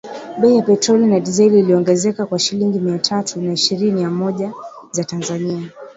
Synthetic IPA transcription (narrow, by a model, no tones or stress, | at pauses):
ɓɛijapɛtɾɔlinaɗizɛliːliɔŋɡɛzɛkakwaʃiliŋɡimiatʰatunaiʃiɾinijamɔʄa | zatanzania